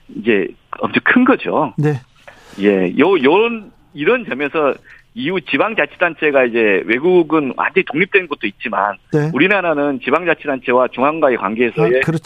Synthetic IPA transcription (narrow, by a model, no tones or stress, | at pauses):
id͡ʑe̞ʌmt͡ɕʰʌkʰɯnɡʌd͡ʑo̰ne | je̞jʌjʌn | iɾʌnd͡ʑʌmesʰʌ | iut͡ɕibaŋd͡ʑat͡ɕʰi̥dant͡ɕʰe̞ɡaid͡ʑe̞we̞ɡuɡɯnwa̰nd͡ʑeitoŋɲip̚t͈wenɯnɡʌt̚t͈oit̚t͡ɕ͈ima̰nuɾinaɾanɯnt͡ɕibaŋd͡ʑat͡ɕʰidant͡ɕʰe̞wat͡ɕoŋɦaŋɡaekwa̰nɡeːsʰʌe̞kɯɾʌ